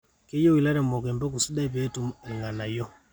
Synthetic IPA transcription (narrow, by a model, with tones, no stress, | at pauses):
kɛ˦jɔ˦wi˨la˦ɾɛ˨mɔ˨kɛ˨mbɔ˦k̬u˨si˦da˦βɛ˦tu˦mɛŋɡa˨na˨jɔ˦